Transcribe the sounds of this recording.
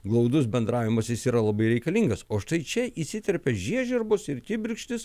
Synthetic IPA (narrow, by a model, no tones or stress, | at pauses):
ɡlˠɒʊd̪ʊsbʲɛnd̪ɾɑːʋʲɪmɐsʲɪsiːɾɐlˠɐbɐɪɾʲɛɪkɐlʲiŋɡɐsoːʃt̪ɐɪt͡ʃʲɛʔisʲɪt̪ʲɛɾʲpʲɛʒʲiɛʒʲɛɾbʊsɪɾt̪ʲɪbʲɪɾʲkʃʲt̪ʲɪs